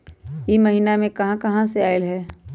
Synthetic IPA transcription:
jemɐɦiːnamẽkɐɦãkɐɦãseaːɪlɦɛː

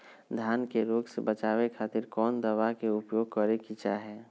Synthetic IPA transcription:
d̪ʱjaːnkeɾoːɡsebət͡ʃaːwekʰaːt̪ɪɾkɔːnd̪əwakeʊpjoːɡ̚kəɾekit͡ʃaɦɛː

